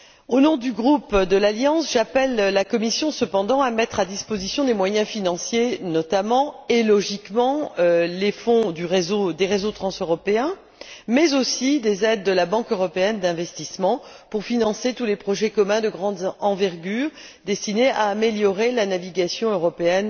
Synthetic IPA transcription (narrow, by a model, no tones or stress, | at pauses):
onɔ̃d̪yɡʁupd̪əlaljɑ̃sʒapɛllakɔmisjɔ̃səpɑ̃d̪ɑ̃amɛt̪χad̪ispozisjɔ̃d̪emwajɛ̃finɑ̃sjenɔt̪amɑ̃elɔʒikmɑ̃lefɔ̃d̪yʁezod̪eʁezot̪χɑ̃søʁɔpeɛ̃ | mɛzosid̪ezɛd̪ːəlabɑ̃køʁɔpeɛnd̪ɛ̃vɛst̪ismɑ̃puʁfinɑ̃set̪ulepχɔʒɛkɔmɛ̃d̪əɡʁɑ̃d̪ɑ̃vɛʁɡʲyːʁ | d̪ɛst̪ineʔaːmeljɔʁelanaviɡasjɔ̃øʁɔpeɛn